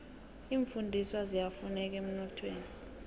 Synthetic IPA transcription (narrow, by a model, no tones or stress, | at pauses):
iːɱfundʱiswazijafunɛk̬ʼem̩nɔtʰweːni